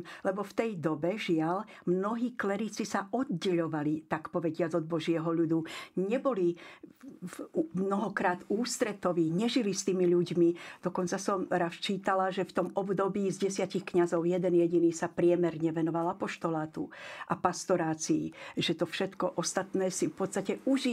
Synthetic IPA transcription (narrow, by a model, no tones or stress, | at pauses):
lɛbɔft̪ɛjd̪ɔbɛʒɪalmnɔɦiːklɛɾit͡sisaʔɔd̪̚ɟɛʎɔʋalit̪akpɔʋɛɟɪad͡zɔd̪̚bɔʒɪɛɦɔʎud̪uɲɛbɔli | umnɔɦɔkɾaːt̪uːst̪ɾɛt̪ɔʋiːɲɛʒilist̪iːmiʎuɟmid̪ɔkɔnt͡sasɔmɾast͡ʃiːt̪alaʒɛft̪ɔmɔbd̪ɔbiːzɟɛsɪacixkɲazɔʊjɛd̪ɛnjɛɟiniːsapɾɪɛmɛɾɲɛʋɛnɔʋalapɔʃt̪ɔlaːt̪uʔapast̪ɔɾaːt͡siːʒɛt̪ɔfʃɛt̪kɔʔɔst̪at̪nɛːsifpɔt̪st̪acɛuʒi